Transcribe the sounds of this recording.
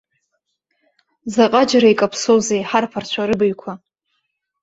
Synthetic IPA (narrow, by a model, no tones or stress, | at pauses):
zaqʼad͡ʒaɾaikʼapʰsowzejħarpʰart͡ɕʷʰaɾɨbɨɥkʷʰa